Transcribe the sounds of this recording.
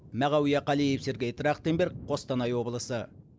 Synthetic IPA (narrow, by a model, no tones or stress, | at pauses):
mæʁɑwijɑqɑlijepseɾɡʲeet̪ɾɑqt̪embeɾk̚qʰost̪ɑnɑjwo̞blˠəsə